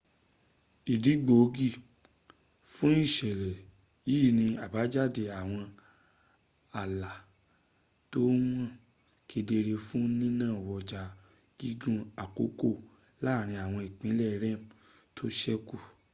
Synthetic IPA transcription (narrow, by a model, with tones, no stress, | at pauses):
i˨di˨˦ɡ͡bo˨˦ɡi˦˨ | fũ˦i˦˨ʃɛ˨lɛ˨ | ji˦˨nĩ˧a˨ba˨˦d͡ʒa˦˨de˨a˨w̃ɔ̃˧ | a˨la˨ | to˦wm̃˦ɔ̃˦˨ | ki˧de˧ɾe˧fũ˦nĩ˦nãː˦˨wɔ˧˨d͡ʒa˨ | ɡ̥i˦ɡũ˦˧a˨ko̰˨˦ko˦˨ | la˦˨ɾ̃ĩ˧a˨w̃ɔ̃˧i˨k͡pĩ˨˦lɛ˦˨ɾɛ̃˦˨m˨tʰo˦ʃɛ˦ku˦˨